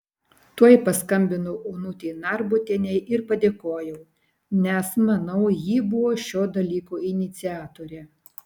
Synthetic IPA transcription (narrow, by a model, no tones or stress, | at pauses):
t̪uɔjpɐskɐmʲbʲɪnʊʔʊnʊt̪ʲɛɪnɑˑɾbʊt̪ʲeːnʲɛɪʔɪɾpɐd̪ʲeːkoːjɛʊ | nʲɛsmɐnɐʊjiːbʊʋoːʃʲoːd̪ɐlʲiːkoɪnʲɪt̪sʲɪæːt̪oːɾʲeː